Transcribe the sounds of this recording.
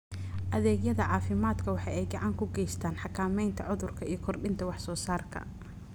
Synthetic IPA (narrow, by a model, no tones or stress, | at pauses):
ʔɐðɛːɡjɐðɐʕɑːfɪmaːd̪kʰɐwɑħɑ̰jɛjɡɑʕɑŋkʰʊɡɛjst̪ʰaːnħɑkʰaːmɛjnt̪ʰɐʕʊðʊrkʰɐʔijɞkʰɔrɖɪnt̪ʰɐwɑħsɔːsaːrkʰɐ̰